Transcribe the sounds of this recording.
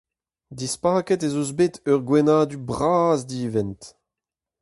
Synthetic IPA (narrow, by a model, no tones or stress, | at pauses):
dispaːkɛtezozbetœʁɡwɛnaːdybʁaːzdiːvɛnt